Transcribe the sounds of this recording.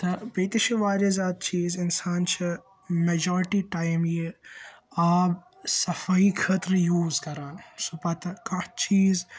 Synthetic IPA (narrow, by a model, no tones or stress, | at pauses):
t̪ɐbiːt̪it͡ʃʰiʋaːɾizaːd̪̚t͡ʃiːzɪnsaːnt͡ʃʰi | med͡ʒɔːɾɪʈiʈaːjmje | aːb | sɐfaikʰɐt̪ɾjuːzkɐɾaːnsupɐt̪ɐkɐ̃t͡ʃʰiːz